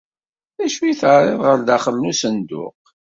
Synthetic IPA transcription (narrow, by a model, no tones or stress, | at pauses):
æʃwiθəʕɾˤɪðʁəɾðæχəlnusənd̪ʊ̰q